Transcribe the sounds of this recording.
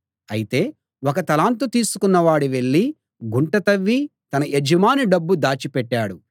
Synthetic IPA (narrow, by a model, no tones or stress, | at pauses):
ɐjit̪e̞ː | wɔkɐt̪ɐlaːnt̪̬ut̪iːsu̥kunːɐʋaːɽiʋe̞ɭːi | ɡuɳʈɐt̪ɐʋːit̪ɐnɐʔed͡ʒɐmaːniɖɐbːud̪aːt͡ʃipɛʈːaːɽu